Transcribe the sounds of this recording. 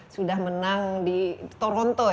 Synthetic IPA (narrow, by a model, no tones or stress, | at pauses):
sudahmənaŋdit̪oɾɔnt̪oɔ